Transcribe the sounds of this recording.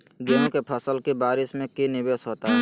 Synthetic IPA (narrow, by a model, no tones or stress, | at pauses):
ɡeːnũkepʰəsəlkibaːɾɪsmẽkinɪbeːsɦoːt̪aɦɛ